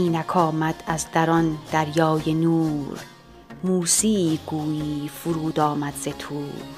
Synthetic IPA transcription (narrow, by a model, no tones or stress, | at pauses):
iːnækʰɒːmæd̪̥æzd̪æɾɒnd̪̥æɾjɒːjenuːɾ | muːsiːɡuːjiːfuɾuːd̪ɒːmæd̪zet̪ʰuːɾ